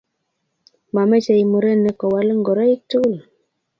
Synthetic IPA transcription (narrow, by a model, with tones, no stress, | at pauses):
ma˨mɛ˦t͡ʃɛ˨i˨mu˨ɾɛ˦nɛ˦kɔ˨wa˨lŋɡɔ˨ɾɔ˦i˦k̚tu˦l